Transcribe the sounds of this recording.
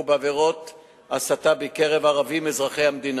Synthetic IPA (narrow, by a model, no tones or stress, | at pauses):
baveʁo̞t̪ | asat̪abekeʁevaʁavimezʁaχe̞jhamd̪in